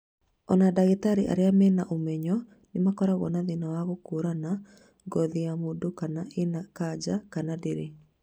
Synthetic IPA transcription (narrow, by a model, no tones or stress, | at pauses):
ɔnadaɣetaɾiʔa̰ɾeamɛnaʔomɛɲɔ | nɪmakɔɾaɣɔ̰naðinawaɣokuɾana | ɡɔðiamudokanaenakad͡ʒakanadeɾe